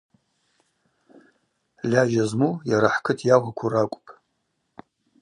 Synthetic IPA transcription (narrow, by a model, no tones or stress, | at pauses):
lʲaʒazmujaɾaħkʰɨtʰjaʁʷakʷʰurakʷʼpʼ